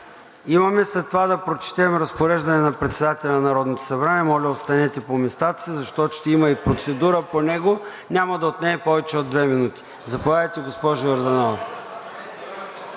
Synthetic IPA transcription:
imɐmɛslɛt̪ːovad̪ɐpɾot͡ʃɛ̥t̪ɛmɾɐspoɾɛʒd̪ɐnɛnɐpɾɛt̪sɛd̪at̪ɛlʲɐnnɐɾɔd̪not̪o̥sɐbɾaniɛmɔlʲəost̪ɐnɛt̪ɛpomɛst̪at̪ə̥sizɐʃt̪ɔt̪ʃt̪ɛimɐipɾot̪sɛd̪uɾəponɛɡo | nʲamɐd̪ɐot̪nɛɛpɔvɛt͡ʃɛod̪ːvɛminut̪i̥ | zɐpovaəjt̪ɛɡospɔʒʊɐɾd̪onal

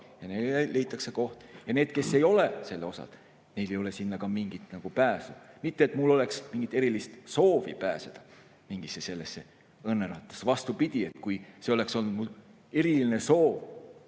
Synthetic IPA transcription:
jɑnele̞jt̪ˑːɑkseko̞ht̪jɑne̞ːd̪̥ke̞sːe̞jo̞lese̞lːeo̞sɑ̰l | ne̞jle̞jo̞le̞sinːɑkɑmiŋɡit̪nɑɡ̥upæːsu̥mit̪ːeːt̪mulːo̞le̞ksmiŋɡit̪ːˑe̞ɾilist̪so̞ːvipæːsed̪̥ɑ | miŋɡ̥isese̞lːesːe̞ | ɤnːeɾɑt̪ːˑɑ̥svɑst̪upid̪̥ʲiet̪ːkujseo̞le̞kso̞lnud̪̚mul | e̞ɾiline̞so̞ːv

